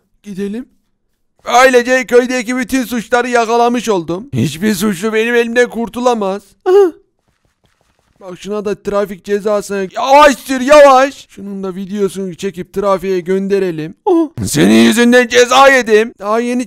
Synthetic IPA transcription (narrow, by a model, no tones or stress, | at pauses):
ɟ̥id̪e̞lʲim | bøjlʲed͡ʒɛcʰø̞jd̪ɛcibyt̪ʰyns̬ut͡ʃlˠaɾɯjakalˠamɯʃo̞lˠd̪umhḭt͡ʃbiɾs̬ut͡ʃlˠube̞nime̞lʲimd̪ænkuɾt̪ulˠamaz̥ | b̥akʃunad̪at̪ʰɾafic̚d͡ʒezaːsɯnajavaʃt̪ʰɯɾjavaʃʃunund̪avid̪ejo̞suncit͡ʃʰe̞cip̚t̪ʰɯɾafijɛɟønd̪e̞ɾe̞lʲimse̞ninjyzynd̪ænd͡ʒezaːed̪imd̪̥aɦaje̞ni